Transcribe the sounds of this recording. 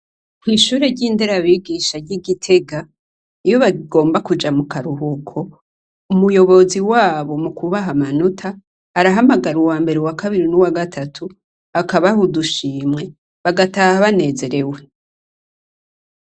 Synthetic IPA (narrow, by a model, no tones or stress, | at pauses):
m̥hiːʃuːɾe̞ɾɟiːndeɾaβiːɡiːʃaɾɟiɡitʰe̞ɡa | ijo̞βaɡo̞ːmbakud͡ʒamukaɾuɦukʰo̞ | umujo̞βo̞ziwaːβo̞mukʰuβaɦamanutʰaː | ɾaɦamaɡaɾuwaːmbe̞ɾewakaβiɾinuwaɡatʰatʰu | akaβahuduʃiːmŋe̞ | βaɡataːhaβane̞ːze̞ɾe̞we̞